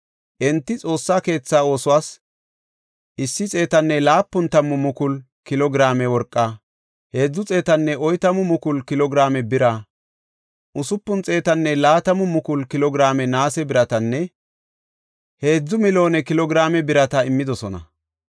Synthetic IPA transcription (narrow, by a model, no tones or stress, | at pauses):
ʔɛnt̪ːɪt͡sʼo̞ːsːaːke̞ːt͡sːao̞ːsʊwaːs | ʔɪsːɪt͡sʼe̞ːt̪ɐnːɛlaːpːʊnt̪ɐmːʊmʊkʊl | kɪlɔɡɾaːmɛwɔɾkʼːɐ | he̞ːd͡zːʊt͡sʼe̞ːt̪ɐnːɛʔɔjt̪ɐmʊmʊkʊlkɪlɔɡɾaːmɛbɪɾa | ʔʊsʊpːʊnt͡sʼe̞ːt̪ɐnːɛlaːt̪ɐmʊmʊkʊlkɪlɔɡɾaːmɛnaːsɛbɪɾɐt̪ɐnːɛ | he̞ːd͡zːʊmɪlo̞ːnɛkɪlɔɡɾaːmɛbɪɾɐt̪ɐɪmːɪd̪ɔsɔnɐ̰